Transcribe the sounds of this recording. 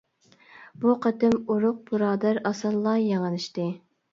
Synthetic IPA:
buqʰɑt̪ɪmuɾʊq̚buɾɑːd̪æɾɑsɑlˠːɑjɑŋəlˠɨʃt̪ɨ

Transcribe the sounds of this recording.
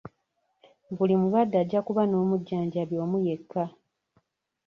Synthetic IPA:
βulimuβadːaɟːakuβano̞ːmuɟːaːɲɟaβjo̞ːmuje̞kʰːa

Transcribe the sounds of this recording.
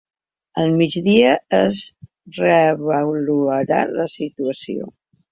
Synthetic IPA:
əlˠmid͡ʒðiəəz | rəβəluəɾa̰ləsit̪uəsio̰

